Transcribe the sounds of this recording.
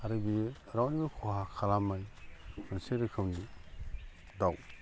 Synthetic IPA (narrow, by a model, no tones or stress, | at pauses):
aɾɯbi | ɾawnibakʰoɦakʰalamajmɯnseɾɯkʰɯwni | daw